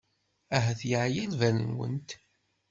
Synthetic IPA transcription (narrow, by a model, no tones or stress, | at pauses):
æɦæθjaʕjælvælənwə̰nt̪